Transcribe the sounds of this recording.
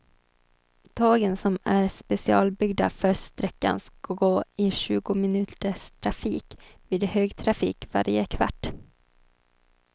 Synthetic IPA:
d̪̥ʰɑːɡənsɔmæɾspɛsɪɑ̰ːlbʏɡd̪a̰fœʂt̪ɾɛkːa̰nsoɡoːɪɕʉ̟ːɡʊmɪnʉ̟ːt̪əʂt̪ʰɾafiːkviːd̪høːɡt̪ʰɾafḭːkva̰ɾjə̰kʰva̰ʈː

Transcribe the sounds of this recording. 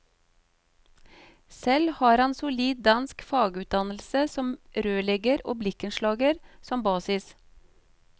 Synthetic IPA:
sɛlhɑːɾɑnsʊliːd̪̚d̪ɑnskfɑːɡʉːt̪̚d̪ɑnl̩səsɔmɾøːlɛɡəɾoːblɪkənʃlɑːɡəɾsɔmbɑːsɪs

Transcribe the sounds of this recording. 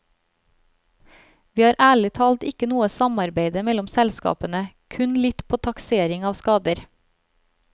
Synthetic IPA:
ʋiːhɑːɾʔæːɭɪt̪ʰɑːlt̪ɪkənuːəsɑmɑɾbeɪd̪əmɛlʊmsɛlskɑ̰ːpənəkʰʉnlɪt̪pʰoːt̪ʰɑkseːɾɪŋɑːʋskɑːd̪əɾ

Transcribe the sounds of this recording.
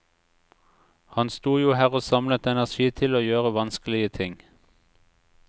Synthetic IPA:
hɑnst̪uːjuːhæːʁoːsɑmlət̪ɛnæʁʃiːt̪ʰɪloːjøːʁəʋɑnskəl̩ɪət̪ʰɪŋ

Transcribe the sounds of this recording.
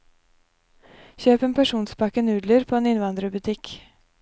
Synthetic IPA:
çøːpeːnpʰæʂuːnspɑkənʉːd̪ləɾpʰoːeːnɪnʋɑnd̪ɾəbʉt̪ʰɪk

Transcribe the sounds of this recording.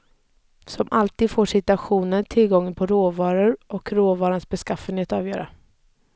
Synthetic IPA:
sɔmʔalt̪iːd̪foːʂɪt̪ɵaɧuːnəɾtʰɪlɡɔŋːənpʰɔɾoːvɑːɾʊɾʔɔkɾoːvɑːɾansbɛskafənheːt̪ɑːvjœːɾa̰

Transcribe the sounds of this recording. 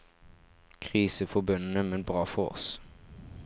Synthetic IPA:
kʰʁiːsəfɔbʉnnəmɛnbʁɑːfɔʁɔ̰s

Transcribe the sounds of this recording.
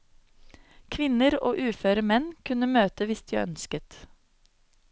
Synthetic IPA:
kʰʋɪnəɾo̰ːʔʉːføːɾəmɛnkʰʉnəmøːt̪əʋɪst̪ḭœ̰nskət̪

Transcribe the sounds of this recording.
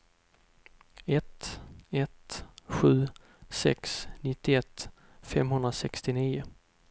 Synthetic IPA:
ɛt̪ɛt̪ɧʉ̟ː | sɛ̰ksnɪt̪ːɪɛt̪ː | fɛmɦɵnd̪ɾasɛkst̪ɪniːʊ

